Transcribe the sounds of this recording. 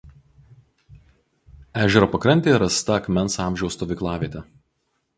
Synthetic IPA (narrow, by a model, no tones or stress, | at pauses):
æːʒʲɛɾopɐkɾɐnʲt̪ʲeːɾɐst̪ɐɐkmʲɛnsɑˑmʲʒʲɛʊst̪ɔːʋʲɪklˠɑːʋʲiɛt̪ʲɛ